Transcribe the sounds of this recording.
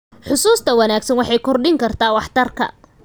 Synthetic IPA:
ħʊsuːst̪ʰɐwɐnaːɡsɐnwɑħɑjkʰɔrɖɪŋkʰɐrt̪ʰaːwɑħt̪ʰɐrkʰɐ̰

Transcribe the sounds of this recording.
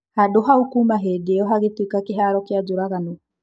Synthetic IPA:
hadoɦaukumaɦedeɔɦaɣetikakeɦaɾɔkead͡ʒoɾaɣanɔ

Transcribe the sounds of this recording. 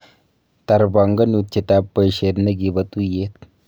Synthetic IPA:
t̪aɾbaŋɡənut̪̚t͡ɕit̪apːəjɕeɾnəɡibət̪ujet̪

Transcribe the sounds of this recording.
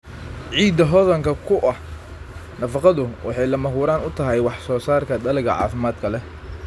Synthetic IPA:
ʕiːd̪ɐɦɔðɐŋkʰɐkʰʊʔɐh | nɐfɑqɑðʊwʔɑ̰ħɑjlɐmɐɦuːɾaːnʊt̪ʰɐɦɛjwɑħsɔːsaːrkʰɐd̪ɐlɪɣɐʕɑ̰ːfɪmaːd̪kʰɐlɛ

